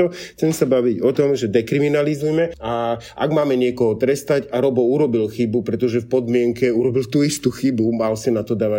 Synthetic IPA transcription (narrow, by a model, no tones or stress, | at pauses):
ɔxt͡sɛmsabaʋiɟɔt̪ɔmʒɛd̪ɛkɾiminalizujmɛa | a̰ɡmaːmɛɲɪɛkɔɦɔt̪ɾɛst̪aɟaɾɔbɔuɾɔbilxibupɾɛt̪ɔʒɛfpɔd̪mɪɛŋkɛuɾɔbilt̪uist̪uxibumalsinat̪ɔd̪aːʋa